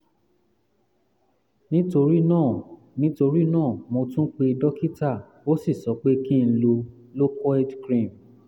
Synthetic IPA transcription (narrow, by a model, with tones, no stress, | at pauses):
nĩ˦to˧ɾi˦nã˦˨ | nĩ˦to˧ɾi˦nãː˦˨mõ˧tũ˦k͡pe˧dɔ˦ki˦ta˦˨ | o˦si˦˨sɔ˨˦k͡pe˦ki˦n̩˦lo˧ | lo˦kʰɔ˦ɛ˦dkɾĩ˦˨m